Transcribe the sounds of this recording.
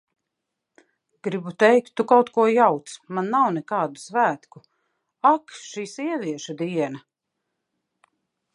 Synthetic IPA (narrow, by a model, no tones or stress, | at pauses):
ɡ̥ɾibut̪ɛjkt̪ːukawt̪kuɔjawt̪smanːawnɛkaːd̪usvæːt̪ku | akʃiːsiɛvʲiɛʃad̪iɛnɐ